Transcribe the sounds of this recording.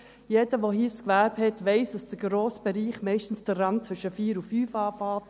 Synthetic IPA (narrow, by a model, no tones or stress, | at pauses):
jɛdəʋohiːskʋæɾbhɛtʋɛɪsd̥ɑsd̥əɡɾoːsb̥ɛɾiːχmɛɪʃtn̩sd̥ərːɑnt̚t͡sʋʏʃəfiːɾufyːfɑːfɑːt